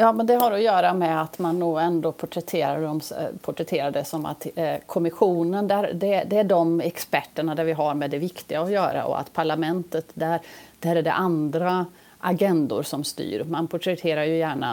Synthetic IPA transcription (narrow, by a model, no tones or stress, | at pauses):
jɑːmɛnd̪ɛɦaɾɔjœːɾamɛat̪manːuːɛnd̪oːpʰʊʈʰɾɛt̪ʰeːɾaɖɔmspʰʊʈɾɛt̪ʰeːɾaɖɛsɔma̰t̪kʰɔmɪɧuːnənd̪æɾd̪ɛd̪ɛæɖɔmɛkspæʈːəɳad̪æɾvɪɦaɾmɛd̪ɛvɪkt̪ɪɡaɔjœːɾa̰ʔɔ̰a̰t̪pʰaɭamɛnt̪ət̪d̪æɾd̪̥æɾæɖɛ̰ʔand̪ɾa | ʔaɡɛnd̪ʊ̰ɾsɔmst̪y̰ːɾmanpʰʊʈʰɾɛt̪ʰeːɾaɾjɵjæːɳa̰